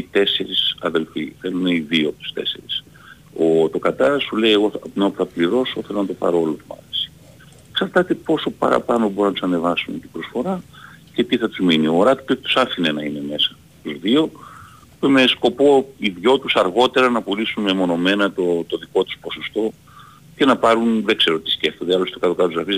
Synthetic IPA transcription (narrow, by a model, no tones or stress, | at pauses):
it̪e̞se̞ɾisɐðe̞lfiθe̞luneiðiopt̪u̥st̪e̞̰se̞̰ɾis | ot̪o̞kɐt̪ɐɾsulejeɣo̞ɐpneɐpuθɐpliɾo̞so̞θelo̞nɐt̪o̞pɐ̰ɾoolot̪imɐ̰θi̥si̥ | ksɐɾt̪ɐt̪epo̞so̞pɐ̰ɾɐ̰pɐno̞boɾunɐt̪usɐne̞vɐsunet̪ibɾo̞sfo̞ɾɐce̞t̪iθɐt̪uzminioɾɐt̪i̥teoçet̪usɐfinenɐine̞me̞sɐ̥ | t̪uzðio̞ | peme̞sko̞po̞iðʝo̞t̪usɐɾɣo̞t̪e̞ɾɐnɐpulisunmemo̞no̞me̞nɐt̪ot̪o̞ðiko̞t̪u̥spo̞sost̪o̞ | ce̞nɐpɐɾunðeɡse̞ɾo̞t̪i̥sce̞ft̪oðiɐlost̪t̪okɐt̪okɐt̪uzɾɐfiz